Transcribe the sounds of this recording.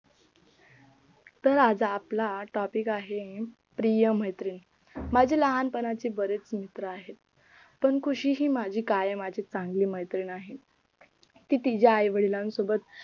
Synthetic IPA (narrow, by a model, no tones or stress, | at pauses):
t̪əɾad͡zaːplaʈɔpikaɦe | pɾijəməjt̪ɾiːn | mad͡ʑʱiːləɦanpənat͡ɕiːbəɾet͡smit̪ɾəaɦet̪ | pəɳkʰuɕiːɦiːmad͡ʑʱiːkajmad͡ʑʱit͡sãŋɡliːməjt̪ɾiːnaɦe | t̪iːt̪id͡ʑjaːjʋəɽilãnsobət̪̚